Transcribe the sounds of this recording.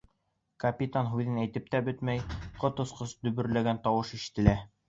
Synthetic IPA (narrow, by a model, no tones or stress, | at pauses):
kɐpʲit̪anɦʉðɘnæjt̪ɘp̚t̪æbɵt̪mæjqot̪ŏsqɤsd̪ɵ̆βɵ̆ɾlæɡænt̪ɑwɤʃiʃɘ̥̆t̪ɘ̆læ